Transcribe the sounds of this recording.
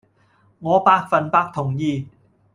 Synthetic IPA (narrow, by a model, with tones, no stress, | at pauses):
ŋɔː˨˧paː˧t̚fɐ˨npaː˧k̚t̪ʰʊ˨˩ŋjiː˨˧